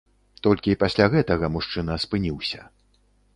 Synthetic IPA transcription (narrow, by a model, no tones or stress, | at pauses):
t̪ɔlʲkʲiːpasʲlʲaɣɛt̪ɐɣɐmuʂt͡ʂɨnɐspɨnʲiwsʲɐ